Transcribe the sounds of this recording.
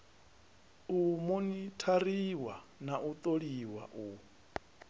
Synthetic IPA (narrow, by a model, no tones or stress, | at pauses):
umunitʰariwa̰naʔut̪ʼoɺiwa̰ʔu